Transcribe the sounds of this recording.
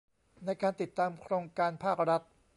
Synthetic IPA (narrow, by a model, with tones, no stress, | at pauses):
na˧jkaː˧nt̪i˨˩t̪ːaː˧mkʰɾoː˧ŋkaː˧npʰaː˥˩k̚ɾa˦˥t̪̚